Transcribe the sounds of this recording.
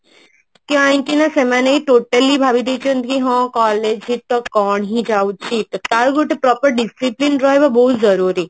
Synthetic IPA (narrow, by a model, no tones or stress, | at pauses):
kiãjɳʈinasemaneiʈoːʈəlibʱabid̪et͡ʃə̃nt̪iɦɔ̃kɔːled͡ʒit̪ːɔkɔːɳɦid͡ʒaut̪̚t͡ʃʰit̪kaɾɡuʈepɾɔːpəɾɖisiplinɾɔebabɔɦut̪zɐɾuːɾi